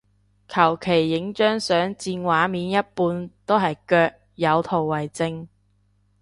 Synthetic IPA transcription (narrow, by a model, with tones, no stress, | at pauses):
kʰɐ˨˩wkʰe˨˩jːɪ˨˥ŋt͡ʃœː˥ŋsœː˨˥ŋt͡siː˧nwaː˨˥miː˨˥njɐ˥t̚puː˧nt̪o˥wɦɐ˨jkœː˧k̚ | jɐ˨˧wt̪ʰo˨˩wːɐ˨˩jt͡sɪ˧ŋ